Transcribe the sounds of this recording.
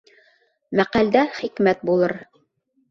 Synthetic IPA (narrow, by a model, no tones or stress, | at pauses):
mæqæld̪æχikmæt̪̚bulˠɤɾ